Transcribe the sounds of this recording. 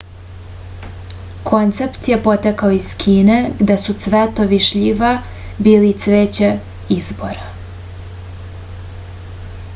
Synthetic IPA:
kʰo̞nt̪se̞pt̪je̞po̞t̪ekaoiz̥kʰiːneɡd̪esut̪sʋet̪o̞ʋiʃʎiʋa | biːlit̪sʋeːt͡ɕe | izbo̞ɾa

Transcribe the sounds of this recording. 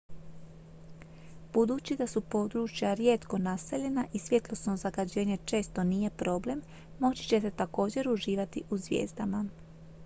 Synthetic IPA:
b̥ud̪uːt͡ɕid̪asupo̞d̪ɾut͡ʃjaɾje̞t̪ko̞nase̞ʎe̞naʔisʋje̞t̪lˠo̞sno̞zaɡad͡ʑe̞ːɲe̞t͡ʃe̞ːst̪o̞nije̞pɾo̞ːble̞mː | o̞t͡ɕi̥t͡ɕe̞t̪e̞t̪ako̞ːd͡ʑe̞ɾuʒiːʋat̪iʔuzʋjḛːzd̪ama

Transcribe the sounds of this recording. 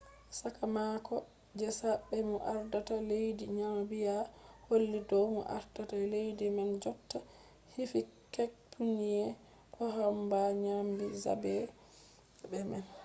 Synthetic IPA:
sakamakɔ | d͡ʒɛsabɛmɔʔaɾdatalejdiɲambijaholːidɔwmɔ̰ʔa̰ɾdatalejdimand͡ʒɔtːa | hifikɛk̚pʰunijɛ | kɔɦambaɲambiza̰bɛ | bɛmɛn

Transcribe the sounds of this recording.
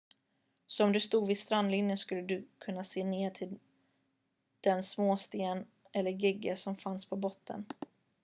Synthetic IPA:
sɔɔmd̪ɵst̪uːɡ̪vɪst̪ɾand̪lɪnjənskɵlːəd̪ɵkʰɵnːaseːneːt̪ʰɪl | d̪̥ɛnsmoːst̪eːn | ʔɛlːəɾɡɪɡːəsɔmfanspʰɔbɔt̪ʰːə̰n

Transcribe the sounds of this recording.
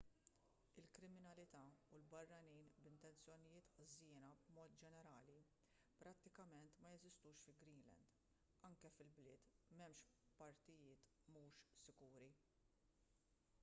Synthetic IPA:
ɪlkɾɪmɪnɐlɪt̪ɐulbɐrːɐniːnbɪnt̪ɛnt͡sjɔnɪjɪːt̪ħzɪːnɐbmɔːt̪̚d͡ʒɛnɛɾɐːli | pɾɐt̪ːɪkɐmɛnt̪mɐjɛzɪst̪uːʃfɪlɡɾiːlɛ̰nd̪ | ɐŋkɛfɪlblɪːt̪mɛmʃpɐɾt̪ɪjɪːt̪ | muːʃsɪɡuːɾi

